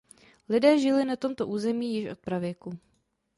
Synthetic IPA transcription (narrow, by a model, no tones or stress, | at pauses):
lɪdɛːʒɪlɪnat̪o̞mt̪o̞ʔuːzɛmiːjɪʃʔo̞̰t̪̚pɾavjɛku